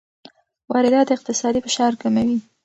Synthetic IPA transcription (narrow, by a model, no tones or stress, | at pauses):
wɑɾɪd̪ɑt̪̚d̪əɪq̚t̪ɪsɑd̪ifɪʃɑɾkamawi